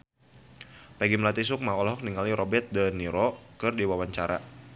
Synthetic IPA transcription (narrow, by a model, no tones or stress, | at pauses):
paɡimlat̪is̬ʊk̚maɔlɦɔk̚niŋaliɾɔbɛt̪̚dəniɾɔkɨrdiwawaɲt͡ʃaɾa̰